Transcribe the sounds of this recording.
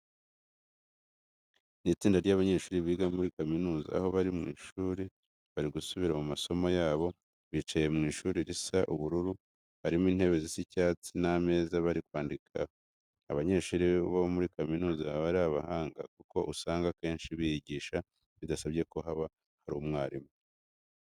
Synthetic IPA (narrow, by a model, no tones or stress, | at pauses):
nit͡siːndaɾɟaβaɲe̞ːʃuːɾiβiːɡamuɾikaminuːza̰ːho̞βaɾimŋḭːʃuːɾe | βaɾiɡusuβiɾamumaso̞mojaːβo̞ | βit͡ʃaje̞mŋiːʃuːɾeɾisaʔuβuɾuɾu | haɾimiːn̥he̞βe̞zisicaːt͡siname̞ːzaβaɾikwaːndikʰaː | βaɲe̞ʃuːɾiβaβomuɾikaminuːzaβaɾaβahaːŋɡa̰kuko̞̰ʔusaːŋɡake̞ːnʃiβijiɟiːʃa | βidasabɟe̞ko̞ɦaβa | haɾuːmŋaːɾime